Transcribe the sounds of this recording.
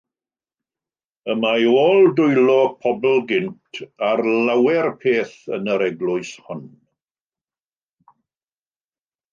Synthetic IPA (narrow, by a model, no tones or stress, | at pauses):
əmajoːlˠdʊjlɔpʰɔbl̩ˠɡɪntʰarlawɛrpʰeːθə̰nəɾɛɡlʊɨshʊn